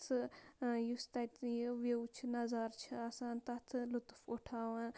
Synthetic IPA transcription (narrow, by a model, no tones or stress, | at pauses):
t̪ʰɨjust̪ɐt̪jʋewt͡ʃʰnɐzaːɾt͡ʃʰiasãːnt̪ɐt̪ʰlut̪fuʈʰaːʋan